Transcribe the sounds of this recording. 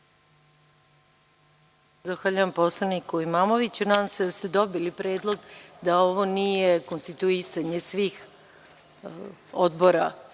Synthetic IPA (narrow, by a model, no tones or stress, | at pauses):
d̪oxʋaːʎaʋampo̞slˠanikuimaːmo̞ʋit͡ɕunasst̪ed̪o̞bilipɾe̞ːd̪lˠo̞ɡd̪ao̞ʋo̞nije̞konst̪it̪uisaɲe̞sʋiːx | od̪bo̞ɾa